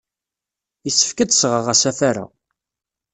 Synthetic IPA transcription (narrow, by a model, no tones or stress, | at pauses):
jisːə̥fkəd̪sʁəʁæsæfaɾa̰